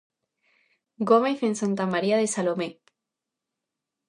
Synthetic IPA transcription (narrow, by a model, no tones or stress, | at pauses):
ɡomejfensant̪amaɾiaðesalome